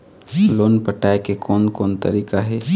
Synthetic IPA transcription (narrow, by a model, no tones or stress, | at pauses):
loːnpəʈaːekekʰɔːnkoːnt̪ə̰ɾiːkaɦɛː